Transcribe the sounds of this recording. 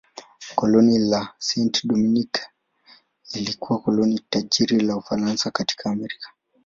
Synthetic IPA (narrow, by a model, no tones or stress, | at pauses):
kɔlɔnilasɛntɗɔminik | ilikuwakɔlɔnitaʄiɾilaufaɾansakati̥kʰaːmɛɾikḁ